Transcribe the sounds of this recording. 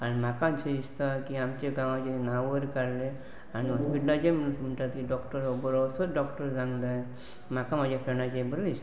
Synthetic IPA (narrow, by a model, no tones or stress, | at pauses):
anmakat͡ʃʰeist̪akiamt͡ʃeɡaw̃ad͡ʒenawəɾkaɾle | aniɦɔspiʈlad͡ʒemsmʈaɾt̪ikiɖɔkʈɔɾobəɾɔsɔt̪̚ɖɔkʈɔɾzaŋd̪a | makamad͡ʒapʰɛnad͡ʒebəɾist̪